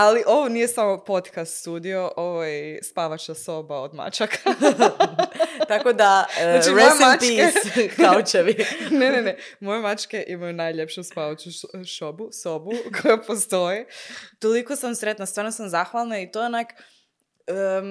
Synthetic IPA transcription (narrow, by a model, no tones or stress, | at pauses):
aliʔo̞ʋonije̞samo̞po̞t̪kast̪suːd̪io̞ʔoʋojespaʋat͡ʃaso̞baod̪ma̰t͡ʃakʰa | t̪akod̪aat͡ʃiɾeesmatt͡ʃisaot͡ʃeʋinenenemojemat͡ʃke̞ʔimajunajʎepʃuspaʋat͡ʃuʃobusobukʰojapost̪o̞jit̪olikosamsɾet̪nast̪ʋaːɾnosamzaxʋalˠnait̪oonak | ə